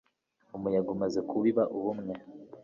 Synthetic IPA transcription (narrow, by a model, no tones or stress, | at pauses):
umujaɡumazekʰuβiβaʔuβumŋe̞